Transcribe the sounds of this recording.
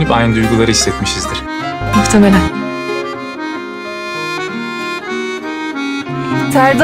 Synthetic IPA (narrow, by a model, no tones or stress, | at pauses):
nipajnɯnd̪ujɡulˠaɾɯɦisːɛt̪miʃizd̪iɾ̥ | muxt̪ʰemelʲæn | t̪ʰæɾd̪